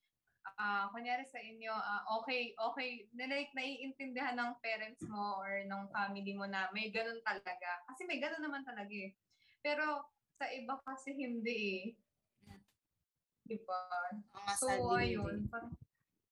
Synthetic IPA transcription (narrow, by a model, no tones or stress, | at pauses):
ʔakɐŋjaːɾɪsɐʔɪnjo̞ʔaʔo̞ːkɛjʔoːkɛjnɐlɐnɐʔiːʔɪnt̪ɛnd̪ɪhanːɐŋpɛːɾɛnt̪̚smo̞ʔoɹnɐŋfaːmɪlimo̞nɐmɐjɡɐno̞nt̪ɐlɐɡakɐsɛmɐjɡɐnonːɐmant̪ɐlɐɡaʔɛ | pɛːɾo̞ | sɐʔɪbakɐsɛɦɪnd̪ɛʔɛ | d̪ɪbaɐmɐsuːwɐjonpɐ